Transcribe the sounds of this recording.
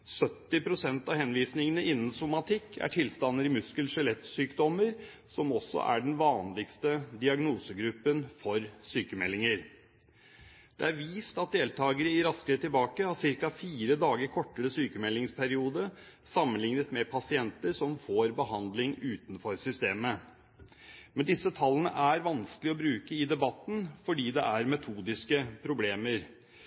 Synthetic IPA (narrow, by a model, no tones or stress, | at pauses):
sœt̪ːɪpɾʊsɛnt̪ɑhɛnʋiːsnɪŋənəʔɪnːn̩sʊmɑt̪ʰɪkːʰæ̰ʈʰɪlst̪ɑnːəɾɪmʉskəlsɛlɛt̪syːkd̪ɔməɾ | sɔmɔsːɔ̰ʔæ̰ɖɛnʋɑːnlɪɡst̪əd̪ɪɑɡnuːsəɡɾʉpːənfɔɾsyːkəmɛlːɪŋəɾ | d̪̥ɛ̰æɾʋiːst̪ɑt̪̚d̪eːlt̪ʰɑːɡəɾəɪɾɑskəɾət̪ʰːɪlbɑːkəɑsɪɾkɑfiːɾəd̪ɑːɡəɾkʰɔʈːəɾəsyːkəmɛlːɪŋspʰæɾɪuːd̪ə | sɑmːənlɪŋnət̪mɛpʰɑsɪɛnt̪əɾʂɔmfoːɾbəhɑnd̪lɪŋʉːt̪nfɔɾsʏst̪eːmə | mɛnd̪ɪsːət̪ʰɑlːənə̰ʔæɾʋɑnskəlɪɔbɾʉːkəɪd̪ɛbɑt̪ːn̩fɔɖiːd̪ɛ̰ʔæɾmɛt̪ʰuːd̪ɪskəpʰɾʊbleːməɾ